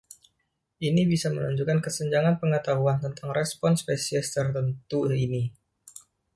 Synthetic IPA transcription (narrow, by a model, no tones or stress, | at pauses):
ʔinibisamənuɲd͡ʒukankəsəɲd͡ʒaŋanpəŋət̪aɦuant̪ənt̪aŋɾɛspɔnspesiɛst̪ərt̪ənt̪uini